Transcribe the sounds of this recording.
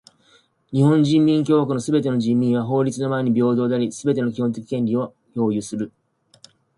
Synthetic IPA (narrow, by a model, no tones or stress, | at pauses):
ɲ̟ihõ̞ɲ̟d͡ʑĩmːʲĩŋk̬ʲo̞ːɡakɯ̟no̞sɨbe̞t̪e̞no̞ʑĩmʲːĩɰ̃βaɦo̞ːɾʲit͡sɨno̞maeɲ̟ibʲo̞ːd̪o̞ːd̪aɾʲisɨbe̞t̪e̞nokʲihõnt̪e̞kʲi̥kẽ̞nʲɾʲio̞ | ço̞ːjɯsɨɾɯ̟